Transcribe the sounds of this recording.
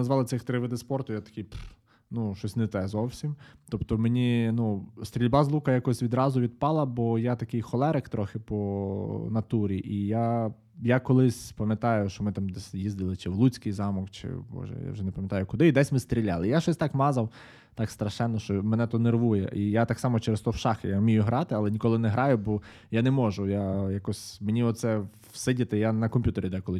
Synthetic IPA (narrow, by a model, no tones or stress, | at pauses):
nɐzʋɑlˠɪt̪sɪxt̪ɾɪʋɪd̪ɪspɔrt̪ʊjat̪ɐ̥kɪjp | nuʃɔsʲnɛt̪ɛzɔwsʲimt̪ɔpt̪ɔmenʲinust̪ʲɾʲilʲbɑzlˠukɐjakɔsʲʋʲid̪ɾɑzʊʋʲid̪̚pɑlˠɐbɔjat̪ɐkɪjxɔlˠɛɾekt̪ɾɔxɪpɔnɐt̪uɾʲiʔija | jakɔlˠɪsʲpɐmʲjɐt̪ɑjʊʃt͡ʃɔmɪt̪ɑmd̪ɛsʲjizd̪ɪlˠɪt͡ʃɪwlˠut͡sʲkɪjzɑmɔkt͡ʃɪ̰bɔ̰ʒɛ̰ja̰wʒɛnɛpɐmʲjɐt̪ɑjʊkʊd̪ɪid̪ɛsʲmɪst̪ɾʲilʲːalˠɪjaʃɔsʲt̪ɑkmɑzɐw | t̪ɑkst̪ɾɐʃɛnːɔʃt͡ʃɔmɛnɛt̪ɔnerʋujɛ̰ʔijat̪ɑksɑmɔt͡ʃɛɾest̪ɔwʃɑxɪjamʲijʊɦɾɑt̪ɪɑlˠɛnʲikɔlˠɪnɛɦɾɑjʊbɔ | janɛmɔʒʊjajakɔsʲmenʲiɔt̪sɛ | wsɪdʲɐt̪ɪjanɐkɔmʲpʲjut̪eɾʲid̪ɛkɔlˠɪ